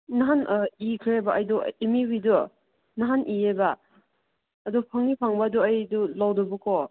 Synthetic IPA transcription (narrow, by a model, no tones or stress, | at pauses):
naɦanikʰɾeejbaajdṵimiwidu | naɦanʔieba | dupʰaŋipʰaŋbɐːduajdulawdɔbukʰɔ